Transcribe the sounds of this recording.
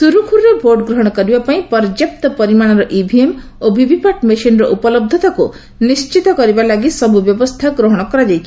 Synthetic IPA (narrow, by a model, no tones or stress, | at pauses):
suɾukʰuɾɾebʱoɖɡɾɔɦɔɽ̃ɔkɔɾibapaĩpɔɾd͡ʒep̚t̪ɔpɔɾimaɽ̃ɔɾɔʔibʱiem | obʱibʱipaʈmiʃinɾɔʔupɔlɔb̚d̪ʱɔt̪aku | nist͡ʃit̪ɔkɔɾibalaɡisɔbʱubjɔbɔst̪ʰaɡɾoɦɔɽ̃ɔkɔɾad͡ʒajt͡ʃʰi̥